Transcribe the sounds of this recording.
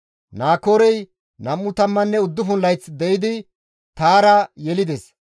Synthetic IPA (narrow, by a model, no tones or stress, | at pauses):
naːkoːɾɛj | nɐmːʊt̪ɐmːɐnːɛʊd̪ːʊɦʊnlɐjt͡sd̪ɛjɪd̪ɪ | t̪aːɾɐjɛlɪd̪ɛs